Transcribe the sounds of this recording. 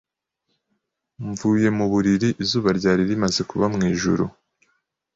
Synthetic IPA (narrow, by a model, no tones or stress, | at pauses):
ɱvuːje̞muβuɾiɾiʔizuːβaɾɟaːɾiɾimaze̞kuβamŋiːʒṵɾu